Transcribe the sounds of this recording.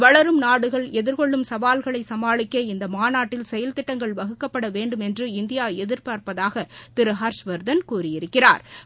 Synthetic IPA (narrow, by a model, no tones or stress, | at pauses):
ʋɐɭɐɾɯmnaːɽɯɣɐɭɛðɪɾkɔɭːɯmsɐʋaːlɣɐɭɐɪsɐmaːɭɪkːɐːɪnd̪ɐmaːnaːʈːɪlsɛjɐlt̪ɪʈːɐŋɡɐɭʋɐɣɯkːɐpːɐɽɐʋeːɳɖɯmɛndrɯɪnd̪ɪjaːɛðɪɾpaːɾpɐðaːɣɐt̪ɪɾɯɦaːɾʂʋɐɾd̪ɐnkuːrɪjɪɾɯkːɪra̰ːɾ